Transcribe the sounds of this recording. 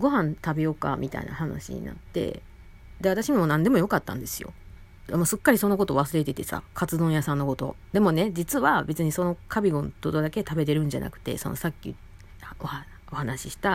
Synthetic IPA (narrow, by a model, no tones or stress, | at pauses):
ɡo̞ɦãnt̪abejo̞ka̰mʲit̪a̰ḭna̰hana̰ɕḭɲ̟ḭna̰t̪ːe̞̰ | d̪e̞βat̪aɕimonãnd̪e̞mo̞jo̞kat̪ːã̰nd̪e̞sɨjo̞̰ | dmosɨkːaɾʲiso̞nok̬o̞t̪o̞ːβasɨɾe̞t̪e̞t̪e̞sa̰kʰat͡sɨd̪õɰ̃jasãnːo̞ko̞t̪o̞̰ | d̪e̞mo̞ne̞d͡ʑit͡sɨβabe̞t͡sɨɲ̟iso̞no̞kʰabʲiɡõ̞nt̪od̪od̪ake̞t̪abe̞t̪e̞ɾɯ̟̃ɲ̟d͡ʑa̰na̰kɯ̟̥t̪e̞̰so̞nosakʲːḭ | oha | ohanaɕiɕi̥t̪a